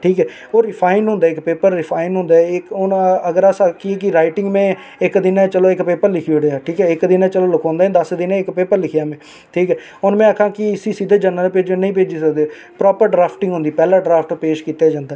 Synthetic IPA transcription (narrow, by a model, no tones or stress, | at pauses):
ʈʰiːkɛː | oːɾɪpʰaːɪnɦʊ̃nd̪aːɪkpeːpəɾːɪpʰaːɪnɦʊ̃nd̪aːɛɪkʊnəɡəɾasakɪɛːkɪɾaːɪʈɪ̃ŋɡmɛ̃ː | ɪkd̪ɪnɛ̃ːt͡ʃəloːɪkpeːpəɾlɪkʰioɽeːaːʈʰiːkɛːɪkd̪ɪnɛ̃ːt͡ʃəloːləkʰɔ̃ːnd̪aɛ̃ːd̪əsd̪ɪnẽɪkpeːpəɾlɪkʰɪjaːmẽː | ʈʰiːkɛː | ʊnmɛ̃ːəkʰãːkɪsiːsid̪eːd͡ʒənəlpeːd͡ʒoːnĩːp̬eːd͡ʒiːsəkd̪eː | pɾɔːpəɾɖɾaːpʰʈɪ̃ŋɡɦʊ̃nd̪iːpɛːlãːɖɾaːpʰʈpeːʃkiːt̪aːd͡ʒãːnd̪aː